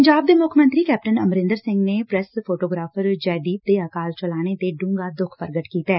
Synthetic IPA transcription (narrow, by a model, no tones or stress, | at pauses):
əɲd͡ʒaːb̚d̪eːmʊkʰmənt̪ɾiːkɛːp̚ʈənəmɾɪ̃nd̪əɾsɪ̃ŋɡneːpɾɛspʰoːʈoːɡɾaːfʰəɾd͡ʒɛːd̪iːp̚d̪eːakaːlt͡ʃəlaːñet̪eːɖũːŋɡaːd̪ʊkʰpəɾɡəʈkiːt̪aɛː